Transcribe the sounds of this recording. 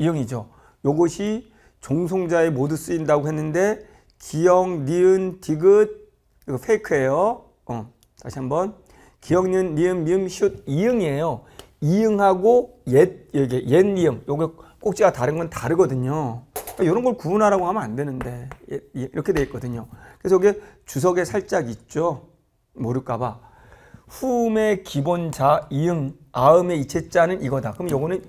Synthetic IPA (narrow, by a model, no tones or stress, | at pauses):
ijɯŋid͡ʑo | joɡʌɕʰi | t͡ɕoŋs̬ʰoŋd͡ʑae̞modus͈uindaɡoɦenːɯnde̞ | kijʌŋniɯntiɡɯd̚ | iɡopʰeikʰɯɦe̞jo | ʌ | taɕʰiɦambʌn | kijʌŋɲɯnːiɯnmiɯmɕʰud̚iɯŋie̞jo | iɯŋɦaɡo | jeɡejenijɯŋjoɡk͈ok̚t͡ɕ͈iɡataɾɯnɡʌntaɾɯɡʌdɯɲokajoɾʌnɡʌɭkuunɦaɾaɡohambʌnandwe̞nɯnde̞eiɯŋḭɾʌkʰedwe̞ik͈ʌdɯɲokɯesʌɯɡet͡ɕus̬ʰʌɡe̞sʰaɭt͡ɕ͈aɡit̚t͡ɕ͈o | moɾɯɭk͈aba | ɸume̞kibond͡ʑaiɯŋ | aɯme̞it͡ɕʰe̞t͡ɕ͈anɯniɡʌdakɯmjʌɡʌnɯn